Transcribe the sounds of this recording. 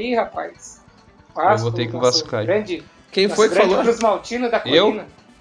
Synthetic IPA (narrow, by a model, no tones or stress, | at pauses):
ihapajs | kavot̪ekũvaskaɡɾɐ̃d͡ʒɪ | kẽj̃ffojɡfɐ̃alpɾuzmawt͡ʃĩnʊd̪ɐkewĩnɐ